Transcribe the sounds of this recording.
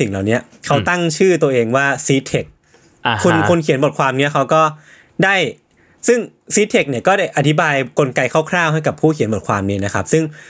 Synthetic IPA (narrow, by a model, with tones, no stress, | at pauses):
i˨˩ŋlaː˨˩wni˦˥ɐ | kʰa˦˥wt̪a˥˩ŋt͡ɕʰɯː˥˩t̪u˧ɐʔeː˧ŋwaː˥˩siː˦˥t̪ʰe˨˩k̚ | kʰːu˧nkʰu˧nkʰi˨˩˦nbo˨˩t̪̚kʰwaː˧mni˦˥ɐkʰa˦˥wkɔː˥˩ | daː˥˩j | sɯ˥˩ŋsiː˦˥t̪ʰe˨˩k̚ni˥˩ɐkɔː˥˩daː˥˩jʔa˧t̪ʰi˦˥baː˧jko˧nka˧jkʰaː˥˩wkʰɾaː˥˩wɦa˥˩jka˨˩pʰuː˥˩kʰi˨˦nbo˨˩t̚kʰwaː˧mniː˦˥na˦˥kʰa˦˥p̚sɯ˥˩ŋ